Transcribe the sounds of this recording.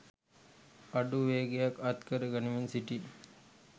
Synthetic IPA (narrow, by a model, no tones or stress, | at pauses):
ɐɖuʋeːɡejakɐt̪kəɾəɡɐniʋinsiʈi